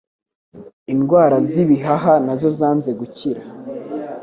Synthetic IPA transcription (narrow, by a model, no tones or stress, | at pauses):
inɡwaːɾaziβiɦaɦanazo̞zaːnze̞ɡuciɾa